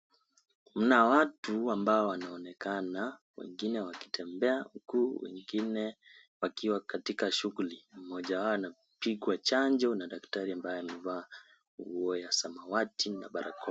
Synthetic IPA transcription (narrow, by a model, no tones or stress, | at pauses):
m̩nawatuambaɔwanaɔnɛkana | wɛ̰ŋɡinɛwaki̥tʰɛmbɛam̩kuːwɛ̰ŋɡinɛ | wakiwakatikaʃuɣulim̩mɔʄawaɔana | piɠwat͡ʃaɲd͡ʒɔnaɗaktaɾiambajɔamɛvaː | ṵɔjasamawatina̰ɓaɾa̰kʰɔ